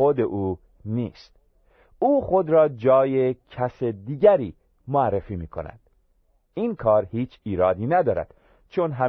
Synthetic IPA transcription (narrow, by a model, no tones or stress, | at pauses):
od̪eʔuː | niːst̪̚ | uːxo̞d̪ɾɒːd͡ʒɒːjecʰæsed̪iːɟæɾiː | moærːefiːmiːkʰo̞̰næ̰nd̪̥ | iːnkʰɒːɾhiːt͡ʃʰiːɾɒːd̪iːnæd̪ɒːɾæ̰d̪̥ | t͡ʃʰonɦæ